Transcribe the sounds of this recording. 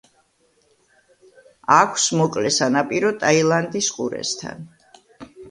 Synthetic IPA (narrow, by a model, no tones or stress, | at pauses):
akʷʰsmɔkʼlɛsanapʼiɾɔt̪ʼailˠand̪isqʼuɾɛ̰st̪ʰa̰n